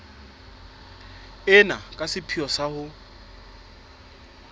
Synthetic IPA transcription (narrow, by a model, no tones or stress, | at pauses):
ɪnakʼasɪpʰiɔsahʊ